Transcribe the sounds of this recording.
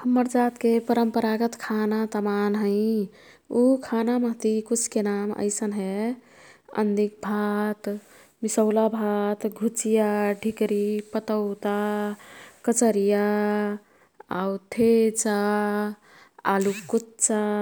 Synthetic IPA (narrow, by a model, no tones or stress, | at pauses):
həmːəɾd͡ʒat̪kepəɾəmpəɾaɡət̪kʰanat̪əmanɦəɪ | ukʰanaməɦt̪ikut͡ʃʰkenamə̰ɪsənɦɛ | ə̰nd̪ik̚bʱat̪ | misəwlabʱat̪ɡʱut͡ʃijaɖʱikɾipət̪əʊt̪a | kət͡ʃəɾija | a̰wt̪ʰet͡ʃa | alukutt͡ʃa